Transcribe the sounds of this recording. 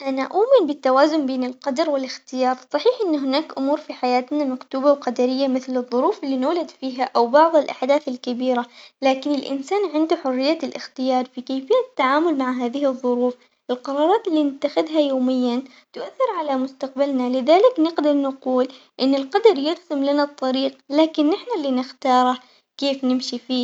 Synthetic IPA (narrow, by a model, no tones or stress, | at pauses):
ʔanaʔuːmɪnbɪt̪ːawaːzʊmbeːnɪlqɑd̪ɑɾˤwɪlɪxt̪ɪjɑːɾˤsˤɑħiːħʔɪnːɦɪnaːkʔʊmuːɾfiħajaːt̪namakt̪uːbawqad̪aɾɪjːamɪθlɨðˤːʊɾuːfɪlːiːnuːlad̪fiːɦaʔawbɑʕðˤɪlʔaħd̪aːθɪlkɪbiːɾalaːkɪnɪlʔɪ̰nsaːnʕɪnd̪uħʊrːɪjːalʔɪ̰xt̪ɪjɑːɾˤfikaːfɪjːat̪ːaʕaːmʊlmaʕɦaːðɪhɨðˤːʊɾuːf | ʔɪlqɑɾˤɑːɾˤɑːt̪ɪlːiːnɪt̪ːaxɪðɦajoːmɪjːan | t̪ʊʔaθːɪɾʕalamʊst̪aqbalnalɪðaːlɪknɪqd̪ɑɾˤnaquːl | ʔɪnːɪlqɑd̪ɑɾˤjɪɣsɪmlanat̪ˤːɑɾiːqlaːkɪnːɪħnalːinɪxt̪ɑːɾˤɑ | keːfnɪmʃifiː